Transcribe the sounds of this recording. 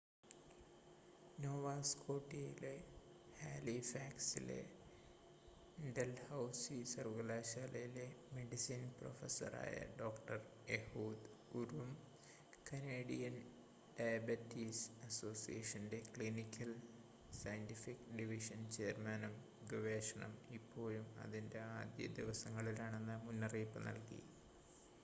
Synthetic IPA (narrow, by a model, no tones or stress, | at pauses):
noːʋaːskoːʈiile | haːlifaːksḭlḛ | ɖelhɐwsisɐɾʋɡɐlaːʃaːlɐjilemeɖisiːnpro̰fesɐ̰ɾa̰ːjɐ̰ɖoːkʈɐr | ehuːd̪ | uɾum | kɐneːɖijɐn | ɖajbɐtːisɐso̞ːsijeʂɐnde̞kɭinikʲʰːɐl | sɐjntifikɖiʋiʂɐnt͡ɕe̞ːrmɐnɐm | ɡɨʋeːʂɐɳɐ̰mipʰːo̞ːlumɐ̰ðinde̞aːd̪jɐ̰d̪iʋɐsɐŋːɐɭilaːɳe̞nːɨmunːɐriːpːɨnɐ̰lkḭ